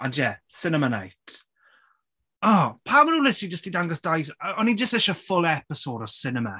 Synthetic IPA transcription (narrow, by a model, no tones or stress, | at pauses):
anjɛsɪnəmana̰jtʰ | ɔːpʰamənuːlɪtʰlˠid͡ʒəstd̥idaŋɡəsd̥ajsəɔnid͡ʒəstɪʃəfʊlˠɛpɪsoːdɔsɪnəma̰